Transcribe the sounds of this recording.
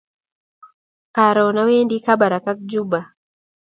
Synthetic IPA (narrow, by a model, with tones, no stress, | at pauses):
ka˨ɾɔ˨na˦we˦ndi˦ka˦ba˨ɾa˨ka˦k̚d͡ʒu˦ba˨